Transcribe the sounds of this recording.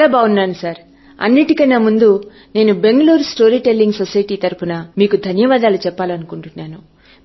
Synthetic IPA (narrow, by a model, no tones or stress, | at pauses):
aːbaːunːaːnusaːɾ | ɐ̰nːiʈikɐnaːmund̪u | ne̞ːnube̞ŋɡɐluːɾsʈo̞ːɾiːʈelːiŋɡsosɐjʈiːt̪ɐɾupunɐmiːkud̪ʱɐnjɐʋaːd̪aːlut͡ʃɛpːaːlɐnukuɳʈunːaːnu